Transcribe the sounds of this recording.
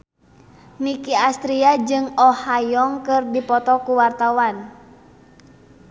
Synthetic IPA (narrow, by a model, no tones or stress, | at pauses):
nikiast̪ɾiad͡ʒɨŋɔhajɔŋkɨrdipɔt̪ɔkuwart̪awan